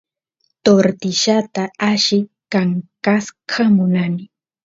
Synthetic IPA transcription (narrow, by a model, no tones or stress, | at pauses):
t̪oɾt̪ɪʃat̪aaʃɪkaŋkaskʰamʊnanɪ